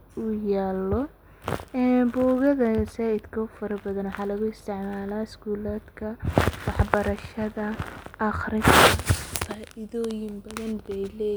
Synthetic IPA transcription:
ʊjaːlɔ | ɛbɔːɣɐðɐsaːɪd̪kʰɐʊfɐɾɐbɐðɐnwɑħɑːlɐɣʊɪst̪ʰɪʕmaːlaːɪskuːlaːd̪kʰɐwɑħbɐɾɐʃɐðɐʔɑχrɪfkʰɐfaːʔɪðɔːjɪnbɐðɐnbɛlɛː

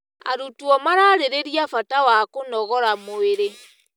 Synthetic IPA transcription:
a̰ɾutuɔmaɾaːɾeɾeɾiafatawakonɔɣɔɾamoeɾe

